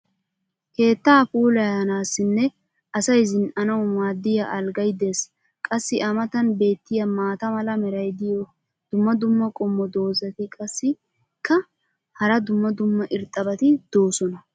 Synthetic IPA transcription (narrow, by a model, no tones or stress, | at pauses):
ke̞ːt̪ːaːpuːlɐjɐnaːsːɪnːɛ | ʔɐsɐjzɪnɐnɐwmaːd̪ːɪjɐʔɐlɡɐjd̪eːs | kʼɐsːɪʔɐmɐt̪ɐnbe̞ːt̪ːɪjɐmaːt̪ɐmɐlɐmɛɾɐjd̪ɪjɔ | d̪̥ʊmːɐd̪ʊmːɐkʼɔmːɔd̪o̞ːzɐt̪ɪkʼɐsːɪ | kːɐ | hɐɾɐd̪ʊmːɐd̪ʊmːɐʔɪɾt̪ʼɐbɐt̪ɪd̪̥o̞ːsɔnɐ